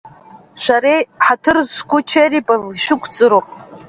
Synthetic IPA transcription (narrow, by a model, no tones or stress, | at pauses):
ʃʷaɾejħatʰɨrzkʷʊt͡ʃʰaripʼavʃᶣɪkʷʰt͡sʼɨɾopʼ